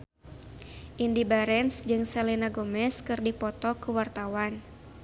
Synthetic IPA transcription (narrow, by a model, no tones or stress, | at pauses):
ʔindibaɾɛnsd͡ʒɨŋsɛlinaɡɔmɛskɨrdipɔt̪ɔkuwart̪awan